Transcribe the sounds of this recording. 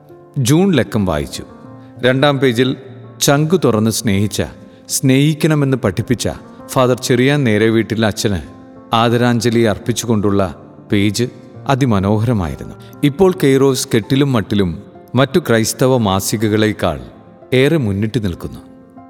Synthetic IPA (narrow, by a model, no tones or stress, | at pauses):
d͡ʑuːnle̞kːɐmʋa̰ːjḭt͡ɕːu̥̰ | ɾe̞ɳɖaːmpe̞ːd͡ʑilt͡ɕɐŋɡɨt̪urɐnːɨsne̞ːhit͡ɕːɐ̰ | sne̞ːhikʲːɐɳɐme̞nːɨpɐʈʰːipːit͡ɕːɐ̰ | faːðɐrt͡ɕerijaːnne̞ːɾeʋiːʈːilɐt͡ɕːɐnɨ̰ | aːðɐɾaːɲd͡ʑɐlijɐrpit͡ɕːuɣo̞ɳɖuɭːɐ̰ | pe̞ːd͡ʑɨ | ɐðimɐno̞ːɦɐɾɐma̰ːjḭɾunːu | ipːo̞ːɭkejro̞ːske̞ʈːilumːɐʈːilumː | ɐtːukrɐjst̪ɐʋɐmaːsiɣɐɣɐɭe̞kːa̰ːɭ | e̞ːremunːiʈːɨnilkunːu